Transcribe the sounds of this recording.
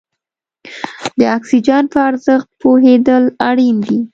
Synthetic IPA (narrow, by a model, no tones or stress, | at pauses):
d̪əɑksid͡ʒɑnpəaɾzəxt̪̚poɦed̪əlaɽind̪i